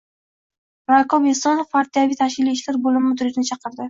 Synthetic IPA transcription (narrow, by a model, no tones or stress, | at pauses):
ɾakɒbest̪ɒnpʰaɾt̪ijavit̪ʰaʃkʲɪliːʃlaɾbolɪmɪmɪd̪ʊɾɪd͡ʒʲnɪt͡ʃʰɑqɨɾd̪ɪ